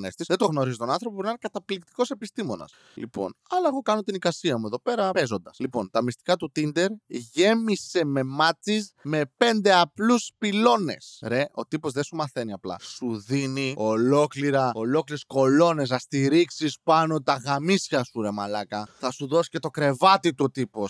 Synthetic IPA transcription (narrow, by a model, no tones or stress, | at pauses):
nest̪isðet̪oɣno̞ɾizit̪o̞nɐnθɾopopoɾinɐnekɐt̪ɐplikt̪i̥ko̞se̞pist̪imo̞nɐ̰s | lḭpo̞̰nɐlɐeɣo̞kɐno̞t̪inikɐsiɐmue̞ðo̞pe̞ɾɐpe̞zo̞nd̪ɐslipo̞̰nt̪ɐmist̪i̥kɐt̪ut̪ind̪e̞ɾʝe̞mise̞me̞mɐt͡sisme̞pe̞nd̪e̞ɐpluspilo̞ne̞sɾe̞ʔo̞t̪ipo̞zðesumɐθe̞niɐplɐ̰suðinio̞lo̞kliɾɐo̞lo̞kliɾesko̞lo̞ne̞s̬ɐst̪iɾiksispɐno̞t̪ɐɣɐmisçɐsuɾe̞mɐlɐkɐθɐsuðo̞si̥ce̞t̪o̞kɾe̞vɐt̪it̪ut̪ipo̞s